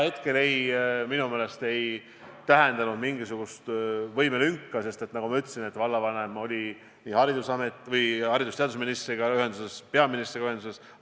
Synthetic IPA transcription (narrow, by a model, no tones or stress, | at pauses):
he̞t̪ke̞le̞jminumeːle̞st̪e̞j | t̪æɦend̪ɑnud̪miŋɡisuɡ̥ust̪vɤjmelyŋkːɑse̞st̪e̞t̪ːnɑɡ̥umɑyt̪ːˑsine̞t̪ːvɑlːɑvɑne̞mo̞lʲi | nʲiːhɑɾid̪usɑme̞t̪vɤjhɑɾid̪ust̪eɑd̪usminist̪riɡ̥ɑyɦe̞nd̪use̞spe̞ɑminist̪riɡ̥ɑyhe̞nd̪use̞s